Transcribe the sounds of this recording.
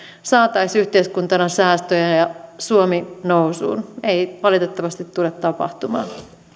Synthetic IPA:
sɑːt̪ɑisyht̪eiskunt̪ɑnɑsæːst̪øjɑjɑsuominowsṵːneiʋɑlit̪et̪ːɑʋɑst̪it̪t̪ːulet̪ːɑpɑ̰ht̪umɑ̰ːn

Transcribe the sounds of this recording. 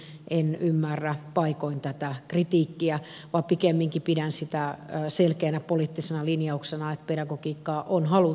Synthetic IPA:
ʔenymːærːæpɑikoint̪æt̪ækrit̪iːkːiæ | ʋɑpikemːiŋkipiɾænsit̪æselkeːnæpoliːˑt̪ːisenɑlinjɑuksenɑet̪̚pedɑɡokiːkːɑːʔonhɑlu

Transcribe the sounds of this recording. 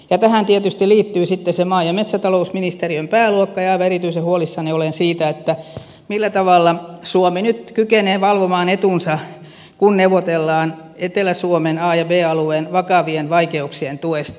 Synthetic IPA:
jɑt̪æhænt̪iet̪yst̪iliːt̪ːyːsit̪ːesemɑːjɑmet̪sæt̪ɑlousminist̪eriømpæːluokːɑjɑʋɑerit̪yisehuolisːɑniolensiːt̪æet̪ːæ | milːæt̪ɑʋɑlːɑsuominyt̪kykeneːʋɑlʋomɑːnet̪unsɑ | kunneuʋot̪elːɑːnet̪elæsuomenɑːjɑbeːɑlueːnʋɑkɑʋienʋɑikeuksient̪uest̪

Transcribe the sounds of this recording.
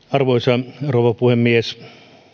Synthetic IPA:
ɑrʋoisɑrouʋɑpuhemːies

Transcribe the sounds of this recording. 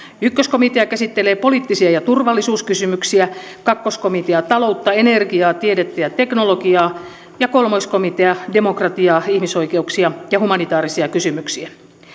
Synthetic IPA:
ykːøskomit̪eɑkæsit̪ːeleːpo̞liːt̪ːisiɑjɑt̪urʋɑlːisuːskysymyksiækɑkːoskomit̪eɑt̪ɑlout̪ːɑenerɡiɑːt̪iedet̪ːææt̪e̞knoloɡiɑː | jɑkolmoiskomit̪eɑdemokrɑt̪iɑːihmiso̞ikeuksiɑjɑhumɑnit̪ɑːɾisiɑkysymyksiæ

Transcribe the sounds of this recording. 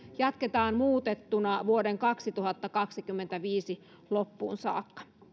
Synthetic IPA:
jɑt̪ket̪ɑːnmuːt̪et̪ːunɑʋuo̞de̞ŋkɑksit̪uɦɑt̪ːɑkɑksikymːent̪æʋiːsi | lo̞pːṵːnsɑ̰ːkːɑ̥

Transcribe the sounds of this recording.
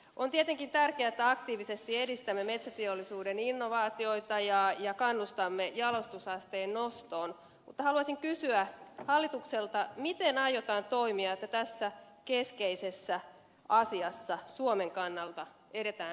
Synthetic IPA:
ʔont̪iet̪eŋkint̪ærkeæet̪ːæɑkt̪iːʋisest̪iedist̪æmːeme̞t̪sæt̪iolːisuːdeninːoʋɑːt̪io̞it̪ɑjɑjɑkɑnːust̪ɑmːejɑlost̪usɑst̪eːnnost̪o̞ːn | mut̪ːɑhɑluɑsiŋkysyæhɑlːit̪ukselt̪ɑmit̪enɑjot̪ɑːnt̪o̞imiɑet̪ːæt̪æsːæ | keskeisesːæ | ɑsiɑsːɑsuome̞ŋkɑnːɑlt̪ɑ | eɾe̞t̪æː

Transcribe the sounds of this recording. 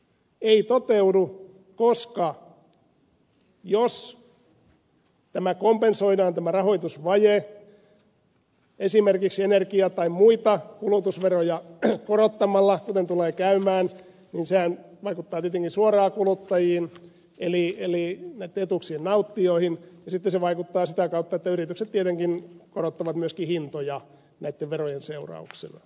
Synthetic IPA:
eit̪ot̪eudu | koskɑ | jos | t̪æmækompensoinɑːnt̪æmærɑhoit̪usʋɑje | esimerkiksenerkiɑt̪ɑimmuit̪ɑkulut̪usʋerojɑkorot̪ːɑmɑlːɑkut̪ent̪uleːkæymæːn | ninsehænʋɑikut̪ːɑːt̪iet̪eŋkinsuorɑːkulut̪ːɑjiːn | elielinæit̪ːeet̪uksiːnnɑut̪ːioihinjɑsit̪ːeseʋɑikut̪ːɑːsit̪ækɑut̪ːɑet̪ːæyrit̪ykset̪t̪iet̪eŋkinkorot̪ːɑʋɑt̪myøskihint̪ojɑ | næit̪ːeʋʋerojenseurɑ̰uksḭnɑ̰

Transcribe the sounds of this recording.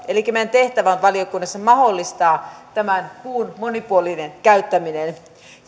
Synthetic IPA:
elikːˑæmænt̪e̞ht̪æʋænʋɑliokunːɑsːɑmɑholːist̪ɑːt̪æmænkuːnmonipuolinenkæyt̪ːæminen

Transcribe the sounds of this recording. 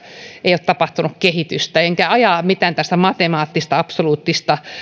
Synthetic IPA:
eijot̪ɑpɑht̪unukkehit̪yst̪æeŋkæɑjɑmit̪æːnt̪æst̪æmɑt̪emɑːt̪ːist̪ɑɑpsoluːt̪ːist̪ɑ

